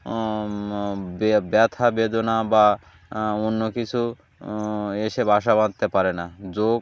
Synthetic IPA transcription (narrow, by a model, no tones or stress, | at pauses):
bbat̪ʰabed̪onaba | onːokit͡ɕʰu | eʃebʱaʃabad̪̚t̪epaɾenad͡ʑo